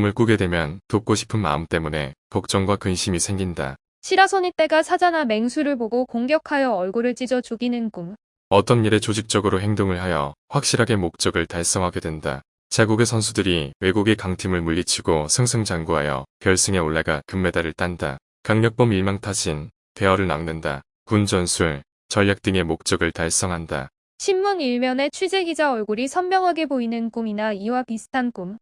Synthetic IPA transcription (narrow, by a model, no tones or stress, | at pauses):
mɯɭk͈uɡe̞dwe̞mjʌntok͈oɕʰi̥pʰɯnma̰ɯmt͈e̞mune̞̰pʌk̚t͡ɕ͈ʌŋɡwakɯnɕʰimisʰe̞ŋɡinda̰ | ɕʰiɾasʰʌɲit͈e̞ɡasʰad͡ʑaname̞ŋsʰuɾɯɭboɡokoŋɡjʌkʰajʌʌɭɡoɾɯɭt͡ɕ͈id͡ʑʌd͡ʑuɡinɯnɡum | ʌt͈ʌnːiɾe̞t͡ɕod͡ʑik̚t͡ɕ͈ʌɡɯɾoɦe̞ŋdoŋɯɭhajʌɸwak̚ɕ͈iɾɦaɡe̞mok̚t͡ɕ͈ʌɡɯɭtaɭs͈ʌŋɦaɡe̞dwe̞nda̰ | t͡ɕaɡuɡe̞sʰʌnsʰudɯɾiwe̞ɡuɡe̞kaŋtʰimɯɭmuʎːit͡ɕʰiɡosʰɯŋsʰɯŋd͡ʑaŋɡuɦa̰jʌ̰peʌɭs͈ɯŋe̞oɭːaɡakɯmːe̞daɾɯɭt͈anda̰ | kaŋɲʌk̚p͈ʌmiɭmaŋtʰaɕʰin | pe̞ʌɾɯɭnaŋnɯnda̰ | kund͡ʑʌnsʰuɭ | t͡ɕʌʎjak̚t͈ɯŋe̞mok̚t͡ɕ͈ʌɡɯɭtaɭs͈ʌŋɦanda̰ | ɕʰimːuniɭmjʌne̞t͡ɕʰwid͡ʑe̞ɡid͡ʑaʌɭɡuɾisʰʌnmjʌŋɦaɡe̞boinɯnkuminaiwapisʰɯ̥tʰankum